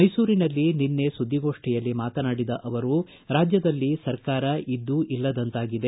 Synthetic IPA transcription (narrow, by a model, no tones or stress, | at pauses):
ɐjsuːɾinɐlːininːe̞sud̪ʱːiɡo̞ːʂʈɛjɐlːimaːt̪ɐnaːɽid̪ɐʔɐʋɐɾu | ɾaːd͡ʒjɐd̪ɐlːisɐɾkaːɾɐʔid̪ːuʔilːɐd̪ɐnt̪aːɡid̪e̞